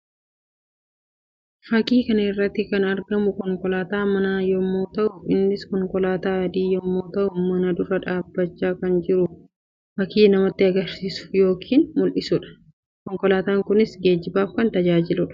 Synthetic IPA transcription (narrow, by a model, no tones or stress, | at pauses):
fɐkiːkɐnɐɪrːɐt̪ːɪkɐnɐɾɡɐmʊkɔŋkɔlaːt̪aːmɐnaːjɔmːoːt̪ɐʔʊɪnːɪskɔŋkɔlaːt̪aːɐd̪iːjɔmːoːt̪ɐʔʊmɐnɐd̪ʊrːɐᶑaːbːɐt͡ʃːaːkɐnd͡ʒɪɾʊ | fɐkiːnɐmɐt̪ːɪɐɡɐɾsiːsʊ̥jo̞ːkʰiːnmʊlʔɪsʊᶑɐ̥ | kɔŋkɔlaːt̪aːŋkʊnɪsɡe̞ːd͡ʒɪbaːfkɐnt̪ɐd͡ʒaːd͡ʒɪlʊᶑɐ̥